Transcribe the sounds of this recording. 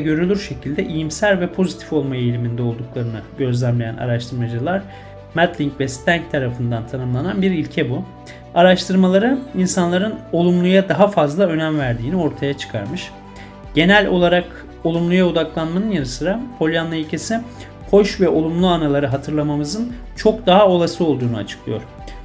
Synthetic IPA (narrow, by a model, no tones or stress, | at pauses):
ɟø̞ɾylʲyɾʃe̞cʰilʲd̪ɛʔijimsæɾvɛpʰo̞zit̪ʰi̥fo̞lˠmajejlʲimind̪ɛo̞lˠd̪uklˠaɾɯnɯɟø̞zlʲæmlʲejæ̰nʔa̰ɾaʃt̪ʰɯɾmad͡ʒɯlˠaɾ̥ | mæt̪lʲiɲcvɛst̪ʰæɲc̚t̪ʰaɾafɯnd̪ant̪ʰanɯmlˠananbiɾilʲcʰɛbu | aɾaʃt̪ʰɯɾmalˠaɾɯinsanlˠaɾɯno̞lˠumlˠujad̪aɦafazlˠaø̞næmvæɾd̪iːnio̞ɾt̪ʰajat͡ʃʰɯ̥kʰa̰ɾmɯʃ | ɟ̥e̞nælʲo̞lˠaɾak | o̞lˠumlˠujaod̪aklˠanmanɯnjaɾɯsɯɾapʰo̞lʲjanlˠailʲcʰesi | ho̞ʃvɛʔo̞lˠumlˠuanalˠaɾɯɦat̪ʰɯɾlˠamamɯzɯn | t͡ʃʰo̞kd̪aɦao̞lˠasɯo̞lˠd̪uːnuat͡ʃʰɯ̥klˠɯjo̞̰ɾ̥